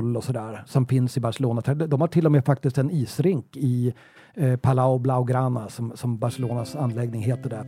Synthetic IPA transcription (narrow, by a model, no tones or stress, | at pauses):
lːɔsɔd̪æːɾsɔmfɪnsɪbaʂɛloːnat̪ʰɾd̪ɔmhaʈʰɪlːɔmeːfak̚t̪ɪst̪ɛniːsɾɪŋkɪ | pʰalaʊblaʊɡɾaːnasɔmsɔmbaʂɛloːnasanːlɛɡnɪŋɦeːt̪əɖɛ